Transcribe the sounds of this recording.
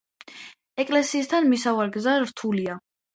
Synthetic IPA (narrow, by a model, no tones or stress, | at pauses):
ɛkʼlɛsiːst̪ʰanmisavaɾɡzaɾt̪ʰulia